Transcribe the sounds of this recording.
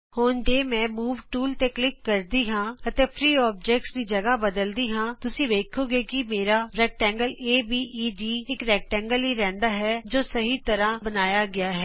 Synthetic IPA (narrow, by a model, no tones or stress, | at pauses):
hoːnd͡ʒeːmɛ̃ːmuːʋʈuːlt̪eːklɪkːəɾd̪iːɦãːət̪eːpʰɾiːɔːp̚d͡ʒɛːk̚ʈsd̪iːd͡ʒəɡaːbəd̪əld̪iːɦãːt̪ʊsĩːd̪eːkʰoːɡeːkɪmeːɾaːɾɛːk̚ʈɛ̃ːŋɡəleːbiːʔiːɖiːɪkɾɛːk̚ʈɛ̃ːŋɡəlɦiːɾɛ̃ːnd̪aːɦɛːd͡ʒoːsəɦiːt̪əɾãːbənaːjaːɡɪaːɦɛː